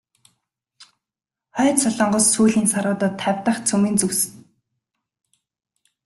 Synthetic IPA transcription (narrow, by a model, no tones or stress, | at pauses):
χœːt̪sɔɮɞ̆ɴɢɞ̆sːuːɮiːnsaɾʊːt̪ə̆t̪ʰːawʲt̪ə̆χt͡sʰɵmiːnt͡sɵwsɘ̥̆